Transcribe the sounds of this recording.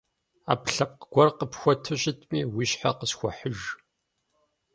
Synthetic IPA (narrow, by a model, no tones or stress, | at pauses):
a̰ːpɬɐp̚qɡ̥ʷɔrqəpxʷɔtʰɨɕʼɪtʼmiːwiɕħaqəsxʷɔħəʒ